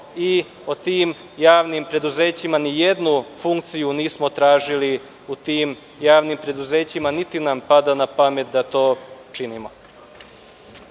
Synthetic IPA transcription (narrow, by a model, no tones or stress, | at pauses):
i | ot̪iːm | jaːʋnimpɾe̞d̪uzeːt͡ɕimanijed̪nufuŋk̚t̪sijuniːsmo̞t̪ɾaːʒili | ut̪iːm | jaːʋnimpɾe̞d̪uze̞ːt͡ɕimanit̪inampad̪anapame̞t̪̚d̪at̪o̞ːt͡ʃinimo